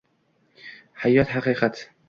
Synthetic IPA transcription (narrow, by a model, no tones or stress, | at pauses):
hajːɒt̪haqiːqʰat̪ʰ